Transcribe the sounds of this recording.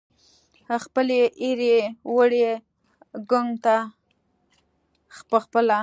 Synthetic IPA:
xpəleʔiɾewəɽe | ɡoŋt̪a | xpəxpəla

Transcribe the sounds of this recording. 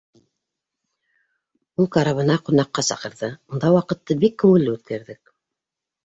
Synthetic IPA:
ulˠkɑɾɑβɤ̆nɑqunɑqːɑsɑ̰qɤ̆ɾðɤund̪ɑwɑqɤ̆t̪ːɤbikːɘ̆wɘ̆lːɘʉt̪̚kæɾðɘk̚

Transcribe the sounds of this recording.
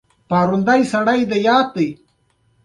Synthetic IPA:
paːɾund̪ajsɐɽajd̪ɐjaːt̪̚ːi

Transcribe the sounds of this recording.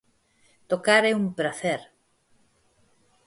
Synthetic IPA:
t̪okaɾɛumpɾaθeɾ

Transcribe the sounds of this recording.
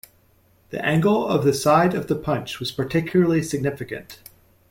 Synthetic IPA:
ðḭʔæ̃ŋɡl̩ˠʌvðɨsaɪɾʌvðəpʰʌ̃nt͡ʃwʌz̥pə˞tʰɪkʰjl̩ˠə˞lˠisɨɡ̚nɪfɨkɨ̰̃nt

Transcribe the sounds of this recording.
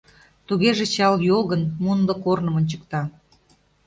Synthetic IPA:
t̪uɣeʒet͡ɕɑljolɣənmunlə̆kornə̆monʲt͡ɕə̥k̚t̪ɑ

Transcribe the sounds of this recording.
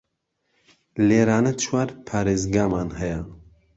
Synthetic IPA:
leːɾaːnɐt͡ʃʰwaːɾpʰaɾeːzɡaːmaːnhɛjɛ

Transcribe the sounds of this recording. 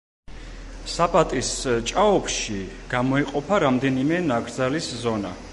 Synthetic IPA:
sapʼat̪ʼist͡ʃʼaɔpʰʃiɡ̥amɔiqʼɔpʰaɾamd̪ɛnimɛnaɡɾd̪zaliszɔna̰

